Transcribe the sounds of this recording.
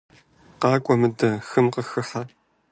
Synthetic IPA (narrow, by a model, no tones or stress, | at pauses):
qɑːkʷʼɔmɨdɐxɨmqəxɨħa